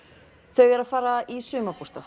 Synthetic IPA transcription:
θœɥvɛːɾafaːɾaðaʔisʏːmapu̥st̪aθ

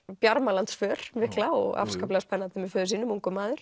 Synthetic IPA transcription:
pjaɾmalant̪sfœːɾ̥mɪhklaɔ̰ɣa̰fskaplɛaspʰɛnːant̪ɪmɛfœːðʏsiːnʏmuŋkʏmaːðʏɾ̥

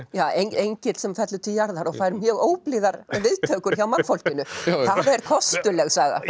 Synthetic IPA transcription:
jaːejɲejɲcɪt̪lsɛmfɛt̪lʏt̪ʰɪljaɾðaɾɔɣfaːjɾmjœːɣoːwpliðaɾvɪðt̪ʰœkʏɾ̥çawmanfol̥cɪnːʏθaðɛɾkʰɔst̪ʏlɛɣsaːɣa̰

